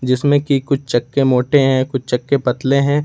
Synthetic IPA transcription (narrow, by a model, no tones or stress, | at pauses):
d͡ʒɪsmẽkikʊt͡ʃʰt͡ʃɐkːemoːʈeɦɛ̃kʊt͡ʃʰt͡ʃɐkːepɐt̪leɦɛ̃ː